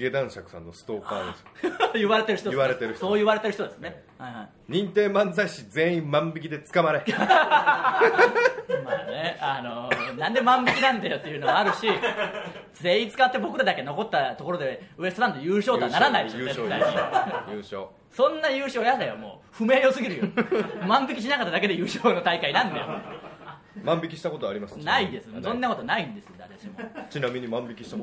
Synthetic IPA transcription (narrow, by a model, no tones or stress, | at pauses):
ed̪ãɰ̃ɕakɯ̟̥sã̰nːosɨ̥t̪oːka̰ːd̪esjɯβaɾe̞t̪eɾɯçit̪oβaɾet̪eɾɯ̟çso̞ːjɯβaɾe̞t̪eɾɯ̟çit̪od̪e̞sɨnehaihai | ɲ̟ĩnt̪e̞ːmãnd͡zaiɕid͡zẽ̞ĩmmãmbikʲid̪e̞t͡sɨ̥kamaɾe | ma̰ːne̞anonãnd̪e̞mãmbikʲinãnd̪ajo̞t̪ːe̞jiɯ̟ːnomaɾɯ̟ɕi | d͡ze̞ːĩt͡sɨ̥kat̪ːe̞bo̞kɯ̟ɾad̪ake̞no̞ko̞t̪ːat̪o̞ko̞ɾo̞d̪e̞ɯest̪oɾãnd̪ojɯːɕo̞ːt̪oanaɾanaioed̪aĩjɯːɕo̰ː | sõ̞nːajɯ̟ːɕo̞ːjad̪ajomo̞̰ːɸɯ̟me̞ːo̞sɨɡʲiɾɯjomãmbikʲiɕ̬inakat̪ːad̪ake̞d̪e̞jɯːɕoːno̞t̪aikainãnd̪ajo̰ | mãmbikʲiɕi̥t̪ako̞t̪oaɾʲimasnaid̪e̞sɨsõ̞nːako̞t̪onaĩnd̪e̞sɨjod̪a̰ɾeɕimt͡ɕinamʲiɲ̟imãmbʲikʲiɕi̥t̪a